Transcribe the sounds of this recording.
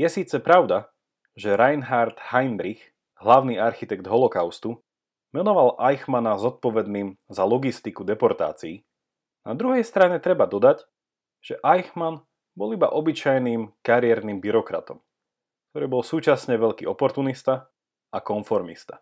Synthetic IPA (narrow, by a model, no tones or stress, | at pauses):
jɛsiːt͡sɛpɾaʊd̪a | ʒɛɾajnɦaɾt̪hajnd̪ɾix | ɦlaʊniaɾxit̪ɛɡd̪ɦɔlɔkaʊst̪u | mɛnɔʋalʔajxmanazɔt̪̚pɔʋɛd̪niːmzalɔɡist̪ikud̪ɛpɔɾt̪a̰ːt͡siː | na̰d̪ɾuɦɛjst̪ɾaɲɛt̪ɾɛbad̪ɔd̪ac | ʒ̥ɛʔajxman | bɔliba̰ʔɔbit͡ʃajniːmkaɾɪɛɾnimbiɾɔkɾa̰t̪ɔm | kt̪ɔɾiːbɔlsuːt͡ʃasɲɛʋɛʎkḭʔɔpɔɾt̪unist̪a | akɔnfɔɾmist̪ḁ